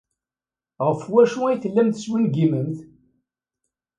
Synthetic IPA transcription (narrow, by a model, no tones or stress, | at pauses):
ʁəfwæʃuæjθəlːæmθəswinɡiməmθ